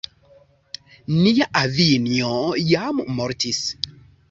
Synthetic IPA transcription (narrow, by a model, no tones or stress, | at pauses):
niaʔaviniojammoɾtis